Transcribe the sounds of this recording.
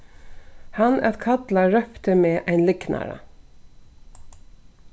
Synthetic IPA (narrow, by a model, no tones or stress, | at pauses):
hɑnæ̰t̪kʰɑd̪lɑɹœft̪əmeːʔæɪnlɪɡnʔɑ̰ɾə̰